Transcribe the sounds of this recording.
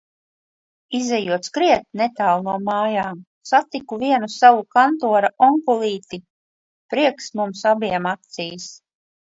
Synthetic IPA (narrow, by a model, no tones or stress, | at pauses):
izɛjuɔt̪skɾiɛt̪̚nɛt̪aːlˠnuɔmaːjaːm | sat̪ikuviɛnusawukant̪uɔɾaɔŋkulˠiːt̪i | pɾiɛksmumsabiɛmat̪siːs